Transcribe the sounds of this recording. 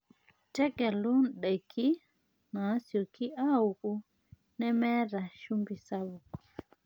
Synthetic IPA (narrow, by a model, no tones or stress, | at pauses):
tɛɡɛlunɗɛkʰi | nasiɔkʰiauɡu | nɛmɛɾaʃumbisabukɔ̥